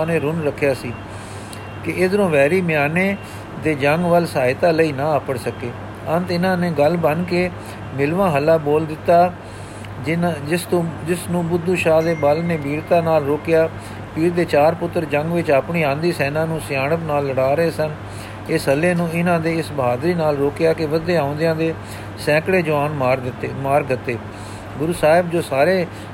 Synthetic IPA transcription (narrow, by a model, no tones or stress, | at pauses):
neːɾʊnɾəkʰːjaːsiː | kɪɪd̪ənõːʋɛːɾiːmɪjaːneː | d̪eːd͡ʒəŋɡʋəlsaːɪt̪aːləiːnãːəpəɽsəkeː | ənt̪ɪnãːneːɡəlbənkeː | mɪlʋãːɦəlːaːboːld̪ɪt̪ːaː | sd͡ʒɪsnũːbʊd̪ːuːʃaːd̪eːbəlneːbiːɾt̪ãːnaːlɾoːkjaː | piːɾd̪eːt͡ʃaːɾpʊt̪ːəɾd͡ʒə̃ŋɡʋɪt͡ʃaːpɳiːãːnd̪iːsɛːnãːnũːsɪjaːɳəpnaːlːəɽaːɾəeːsən | ɪsɦəlːẽːnũːɪnãːd̪eːɪsbəɦaːd̪ɾiːnaːlɾoːkɪjaːkɪʋəd̪eːãːnd̪ɪjãːd̪eː | sɛ̃ːkɽeːd͡ʒʊʋaːnmaːɾd̪ɪt̪ːeːmaːɾɡət̪ːeː | ɡʊɾuːsaːɪbd͡ʒoːsaːɾeː